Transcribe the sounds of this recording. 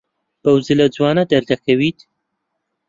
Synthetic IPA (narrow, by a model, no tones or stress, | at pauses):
b̥ɐwzɨlɐd͡zwɑːnɐd̪ɐɾd̪ɐkʰɐwiːt̪